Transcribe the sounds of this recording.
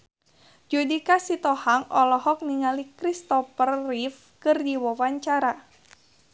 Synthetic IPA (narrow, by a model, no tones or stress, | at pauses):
d͡ʒudikasit̪ɔhaŋɔlɔhɔk̚niŋalikɾist̪ɔpərːif | kɨrdiwɔwaɲt͡ʃaɾa